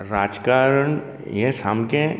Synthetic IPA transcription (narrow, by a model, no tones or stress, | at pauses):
ɾaːd͡ʒkaːɾəɳ | jesamke